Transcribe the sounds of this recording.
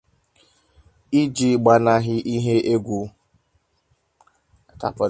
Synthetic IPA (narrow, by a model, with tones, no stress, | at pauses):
i˦d͡ʒi˦ɡ͡ba˨na˨ɦɪ˦ʔi˦ɦe˦ʔe˦ɡʷu˦˨ | ta̰˦pɔ˨